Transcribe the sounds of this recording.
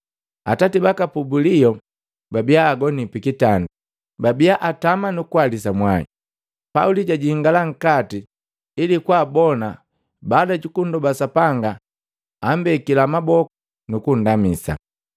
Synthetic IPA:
a̰tatibakapubulijɔ | babijaːɡɔnipikitandu | babijaʔatamanukualisamwaḭ | pauliɟaɟiŋɡalaŋ̩katiː | likwaːbɔna | badaɟukun̩dɔbasapaŋɡaː | mbɛkilamabɔkɔ | nukun̩damisa̰

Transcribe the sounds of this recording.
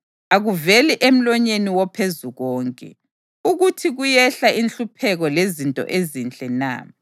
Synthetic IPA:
aɣuveliʔem̩lɔɲeniwɔpʰezuɣɔːŋkʼɛ̰ | uɣutʰiɣujɛɬainɬupʰɛɣɔlezintʼɔ̰ʔezint͡ɬʼɛna̰

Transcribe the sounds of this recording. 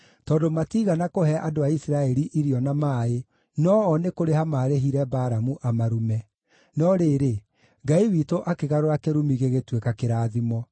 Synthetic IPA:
tɔːndomatiɣanakohɛʔadoaisiɾaɛɾiʔiɾiɔnamaːe | nɔɔnekoɾehamaːɾeɦiɾɛbaːɾamuʔamaɾumɛ | nɔɾeːɾe | ɡaiwitoʔakeɣaɾoɾakeɾumiɣeɣetwekakeɾaːðimɔ

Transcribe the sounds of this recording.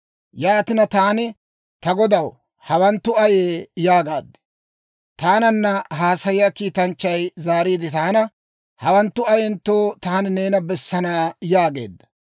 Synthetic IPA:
jaːt̪ɪnɐt̪aːnɪ | t̪ɐɡɔd̪ɐw | hɐwɐnt̪ːʊɐjeːjaːɡaːd̪ːɛ̥ | t̪aːnɐnːɐɦaːsɐjɪjakiːt̪ɐnt͡ʃːɐjzaːɾiːd̪ɪt̪aːnɐ | hɐwɐnt̪ːʊɐjɛnt̪ːoːt̪aːnɪne̞ːnɐbɛsːɐnaːjaːɡe̞̰ːd̪ːɐ̥

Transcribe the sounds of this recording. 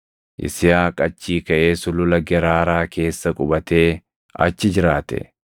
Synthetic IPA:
ʔɪ̰sɪjaːkʼɐt͡ʃːiːkɐʔeːsʊlʊlɐɡɛɾaːɾaːke̞ːsːɐkʼʊbɐt̪e̞ː | ɐ̰t͡ʃːɪd͡ʒɪɾaːt̪ɛ̰

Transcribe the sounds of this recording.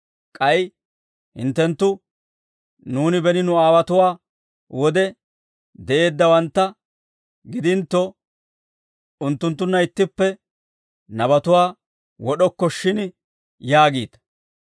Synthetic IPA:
kʼɐj | hɪ̰nt̪ːɛnt̪ːʊ | nuːnɪbɛnɪnʊaːwɐt̪ʊwaː | wɔd̪ɛ | d̪ɛʔe̞ːd̪ːɐwɐnt̪ːɐ | ɡɪd̪ɪnt̪ːɔ | ʊnt̪ːʊnt̪ːʊnːɐɪt̪ːɪpːɛ | nɐbɐt̪ʊwaː | wɔɗɔkːɔʃːɪn | jaːɡiːt̪ɐ

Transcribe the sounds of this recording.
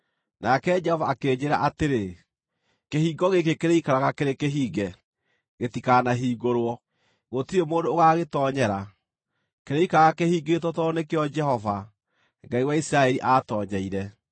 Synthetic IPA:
nakɛd͡ʒɛhɔvaːkeːd͡ʑeɾa̰ʔateɾe | kehiːɡɔɣek̬ekeɾeikaɾaɣakeɾekeɦiːɡɛ | ɣetikanaɦiːɡoɾwɔ | ɣotiɾemoːndoːɣaɣetɔɲɛɾa | keɾeikaaɣakehiːɡetwɔtɔnekeɔd͡ʒɛhɔva | ŋɡaiwaisɾaɛɾiʔatɔɲɛiɾɛ

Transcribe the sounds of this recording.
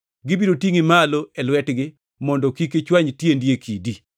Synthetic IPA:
ɡɪbiɾotiŋimaloɛlwɛtɡɪ | mɔndɔkiket͡ʃwaɲtjendjekʰidi

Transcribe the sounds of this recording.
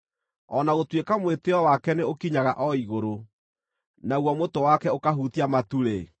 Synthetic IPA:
ɔnaɣotwekamweteɔwakɛneokiɲaɣaʔɔiɣoɾo | naɣwɔmotowakɛokaɦutiamatuɾe

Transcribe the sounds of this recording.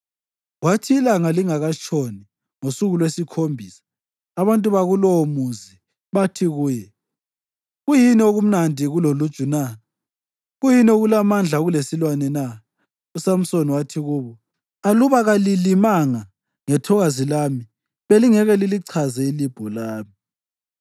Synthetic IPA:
watʰiːlaŋaliŋaɣat͡ʃʰʼoni | ŋosuɣulwesikʰombʱiːsḁː | βantʼuβaɣulɔomuzi | βatʰiɣuːjɛ | ɣujinioɣum̩nandʱiɣulolut͡ʃʼuna | ɣujinioɣulamand͡ɮʱaɣulesilwanɛna | usam̩soniwatʰiɣuːβɔ | aluβaɣalilimaŋa | ŋɛtʰɔɣazilami | βeliŋɛɣɛliliǀʰazɛilib̥ʱɔlaːmi

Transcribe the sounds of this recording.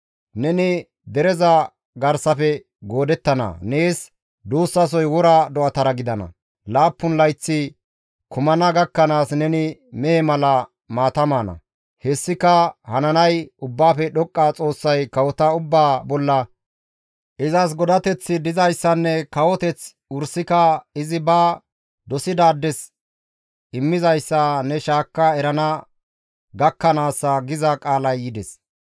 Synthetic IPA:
nɛnɪ | d̪ɛɾɛzɐ | ɡɐɾsɐfɛ | ɡoːd̪ɛt̪ːɐnɐ̰neːs | d̪uːsːɐs̬ɔjwɔɾɐd̪ɔʔɐt̪ɐɾɐɡɪd̪ɐnɐ̰ | laːpːʊnlɐjt͡sːɪ | kʊmɐnɐɡɐkːɐnaːsnɛnɪmɛɛmɐlɐ | maːt̪ɐmaːnɐ̰ | hɛsːɪkːɐhɐnɐnɐjʊbːaːfɛɗɔkʼːat͡sʼo̞ːsːɐjkɐwɔt̪ɐʊbːaːbɔlːɐ | ʔɪzɐs̬ɡɔd̪ɐt̪ɛt͡sːɪd̪ɪzɐjsːɐnːɛkɐwɔt̪ɛt͡s | ʊɾsɪkɐɪzɪbaː | d̪ɔsɪd̪aːd̪ːɛs | ɪmːɪzɐjsːɐnɛʃaːkːɐɛɾɐnɐ | ɡɐkːɐnaːsːɐɡɪzɐkʼaːlɐjːɪd̪ɛs

